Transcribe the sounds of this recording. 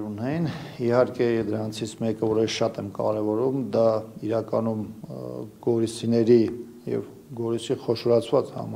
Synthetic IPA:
ɾunɛjinihɑɾkɛd̪əɾɑnt͡sʰit͡sʰmɛkəvɔɾɛəsʃɑt̪ɛmkɑ̰ɾɛvɔɾumd̪ɑiɾɑkɑnum | ɡɔɾisinɛɾi | jɛ̰v | ɡɔɾisiχɔʃɔɾɑt͡sʰvɑt͡shɑ̰m

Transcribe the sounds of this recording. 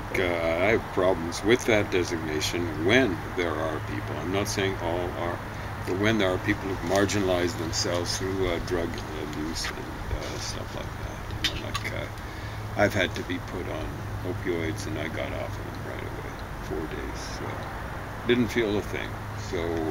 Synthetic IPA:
aɪɨv̥pʰɹ̥ɑbl̃m̩zwɪðɨt̚d̥ɛzɨɡ̚neɪʃɨ̃nwɨ̃n | ðə˞ə˞pʰḭpl̩ˠãɪ̃mnətseɪɪ̃ŋʰɔlˠə˞ | wɨ̃nðə˞ə˞pʰipl̩ˠəvmɑɹd͡ʒɨnəlˠaɪzðɨ̃msɛlˠvz̥θɹʉdɹʌɡ | ɨlʉzɨ̰̃n | stʌ̰fla̰ɪk̚ðæ̰t̚nãɪ̃mla̰ɪkʰʌ̰ | aɪv̥ɨd̚tɨbipʰʊɾn̩ | oʊpʰiɔɪdzɨ̃naɪɡɑ̰ɾɔ̰fðə̰̃mɹa̰ɪɾɨ̰wḛɪ | fɔɹdeɪz̥so̰ | d̥ɪdⁿn̩tfilˠəθɪ̰̃ŋ | soʊ

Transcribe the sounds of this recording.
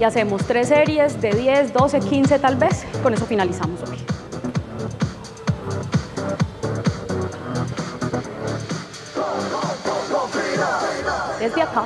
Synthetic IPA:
iase̞mo̞st̪ɾeseɾje̞zd̪e̞ðje̞sd̪o̞sekinse̞t̪albe̞sko̞ne̞s̬o̞finalisamosoj | ezbjaka

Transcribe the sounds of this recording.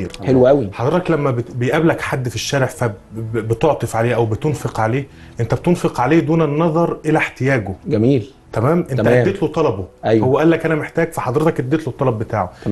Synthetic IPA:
iːɾħelwæʔæwiħɑd̪ˤɾet̪ɑklæmːæbebejʔæblækħad̪ːfiʃːæːɾeʕfæbet̪oʕt̪ˤefʕaleːʔæwbet̪onfeqʕaleːʔent̪æbt̪onfeqʕaleːd̪uːnenːɑðˤɑɾˤʔelæħt̪ejæːɡoɡæmiːl | t̪æmæːmʔenæʔʔæd̪ːeːt̪lot̪ˤɑlɑboʔæjhowːæʔælːækʔænæmeħt̪æːɡfæħɑd̪ˤɾet̪ɑkʔed̪ːeːt̪lot̪ˤːɑlɑbːet̪aːʕo

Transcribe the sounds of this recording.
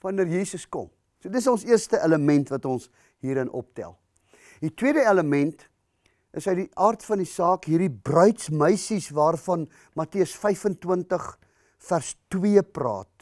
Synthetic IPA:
vɐnərjiːsəskɔ̰m | suədətəsɔ̃nsiərstəʔeləmɛntvɐtɔns | ɦiːɾənʔɔ̰p̚tæ̰lˠ | ditwiədəɛləmɛnt | ʔəsɦəɥdiʔɑːrtfɐndisɑːkɦiːrdibrœɥtsməjsisvɑːrfɐn | mɐtiəsfɛjfəntwəntəχ | færstwiəprɑ̰ːt̚

